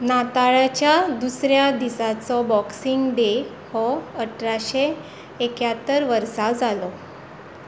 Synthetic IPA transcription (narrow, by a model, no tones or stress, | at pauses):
nat̪aɭat͡ɕjad̪usɾjad̪isat͡sɔbɔksiŋɡd̪e | hɔəʈʰɾaɕeː | kjat̪ːəɾʋəɾsad͡zalɔ